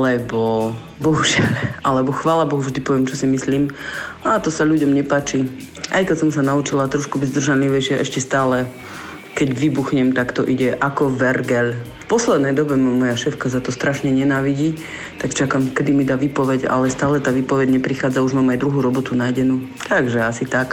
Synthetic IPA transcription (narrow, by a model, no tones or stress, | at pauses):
alɛbɔ | bɔɦuʒɪalʔalɛbɔxʋaːlabɔɦuvʒd̪ipɔʋɛmt͡ʃɔsimisliːmaːt̪ɔsaʎuɟɔmɲɛpaːt͡ʃi | ʔajkɛcsɔmsanaut͡ʃilat̪ɾɔʃkubiɟzd̪r̩ʒanliʋɛʃɛʔɛʃcɛst̪aːlɛ | kɛɟʋibuxɲɛmt̪akt̪ɔʔiɟɛʔakɔʋɛɾɡɛlfpɔslɛd̪nɛjd̪ɔbɛmamɔjaʃɛːfkas̬at̪ɔst̪ɾaʃɲɛɲɛnaːʋiɟiː | t̪akt͡ʃakamkɛd̪imid̪aːʋiːpɔʋɛɟa̰lɛst̪aːlɛt̪aːʋiːpɔʋɛɟɲɛpɾixaːd͡zauʒmaːmajd̪ɾuɦuːɾɔbɔt̪unajɟɛnuː | t̪aɡʒɛasit̪ak